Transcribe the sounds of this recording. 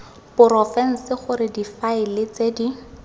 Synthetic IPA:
pʊɾɔfɛn̩sɪχʊɾɪdifaɪlɪt͡sedi

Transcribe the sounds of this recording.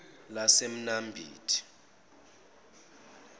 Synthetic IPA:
lasem̩nambʱḭːtʰi̥

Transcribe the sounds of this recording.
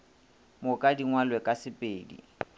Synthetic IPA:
mʊkʼadiŋwalwɛkʼasɪpʼeːdḭ

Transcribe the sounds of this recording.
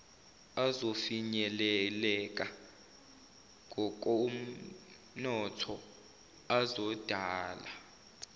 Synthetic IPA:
azofiɲɛlɛlɛk̬ʼa | ŋɡʱɔk̬ʼɔum̩ | nɔtʰɔ | azɔd̥ʱaːla

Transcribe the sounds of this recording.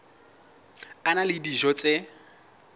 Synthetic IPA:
analɪdiʒɔt͡sʼɪ

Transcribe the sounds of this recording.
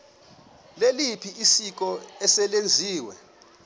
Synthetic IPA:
lelipʰiisik̬ɔɛsɛlend͡zʱiːwɛ̰

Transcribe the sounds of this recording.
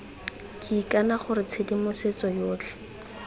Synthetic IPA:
kʼɪkʼanaχʊrɪt͡sʰedimʊset͡sɔjoːt͡ɬʰɛ̥

